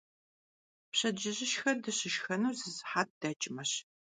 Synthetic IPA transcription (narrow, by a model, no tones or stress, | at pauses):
pɕɐd͡ʒɪʑɪʃxɐdɨɕɪʃxɐnuːzɨzħaːt̚d̥ɐt͡ʃʼɪmɐɕ